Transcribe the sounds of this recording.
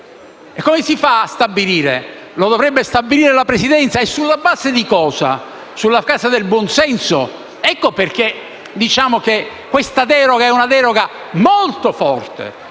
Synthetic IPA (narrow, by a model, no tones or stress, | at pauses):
ekːomesifast̪abiliːɾḛ | lod̪ovɾɛbːest̪abːiliːɾelapɾesid̪ɛnt̪saesːulːabaːzed̪ikɔːza̰ | sulːakasad̪elbwɔnsɛnso̰ | ɛkːoperk̟e | d̪it͡ʃaːmok̟ekːwest̪ad̪ɛːɾoɡaɛunad̪ɛːɾoɡa | molt̪ofɔrt̪ḛ